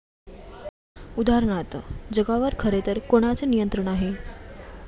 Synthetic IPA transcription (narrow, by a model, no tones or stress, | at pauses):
ud̪aɦɾəɳ̃at̪d͡zəɡaʋəɾkʰəɾet̪əɾkoɽ̃at͡sənijənt̪ɾəɳaɦe